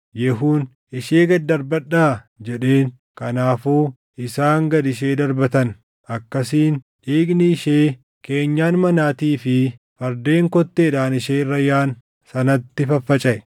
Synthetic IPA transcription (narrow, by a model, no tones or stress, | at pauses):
jɛɦuːn | ɪʃeːɡɐd̪ɐɾbɐᶑːaː | d͡ʒɛᶑeːŋ | kɐnaːfuː | ɪsaːŋɡɐd̪ɪʃ̬e̞ːd̪ɐɾbɐt̪ɐn | ʔɐkːɐsiːn | ᶑiːɡniɪʃeː | ke̞ːɲːaːnmɐnaːt̪iːfɪ | fɐɾd̪eːŋkɔt̪ːeːᶑaːnɪʃeːrːɐjaːn | sɐnɐt̪ːɪfɐfːɐt͡ʃʼɐʔɛ